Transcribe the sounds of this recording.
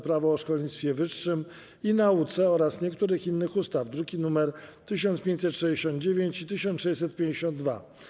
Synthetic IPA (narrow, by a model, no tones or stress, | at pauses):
pɾavɔːʂkɔlɲit̪sfʲjɛvɘʂːɘm | inaut̪sɛɔɾasɲɛkt̪uɾɘxinːɘxust̪avd̪ɾuɡʲinumɛɾt̪ɘɕɔnt̪pʲẽɲt͡ɕʲsɛt̪ːʂɛd͡ʑeɕɔnd̪d͡ʑevʲjeɲt͡ɕit̪ɘɕɔnʂɛjsɛt̪̚pʲjẽɲd͡ʑeɕɔ̃nd̪̚d̪va̰